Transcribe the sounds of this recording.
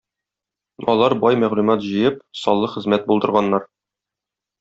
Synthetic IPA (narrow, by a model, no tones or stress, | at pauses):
ɒlˠɑɾbɒjmæʁlʉmɑt̪ʑɤ̆jɤp̚sɒlˠːɤχɘ̆zmæt̪̚bulˠd̪ɤ̆ɾʁɑnːɑɾ